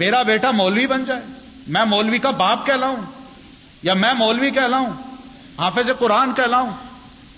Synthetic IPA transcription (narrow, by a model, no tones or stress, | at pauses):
meːɾabeːʈamɔːlʋibɐnd͡ʒaːeː | mɛ̃mɔːlʋikabaːp̚kɛːlaːɦũː | jamɛ̃mɔːlʋikɛːlaːɦũː | ɦãːfesekʊɾaːnkɛːlaːɦũː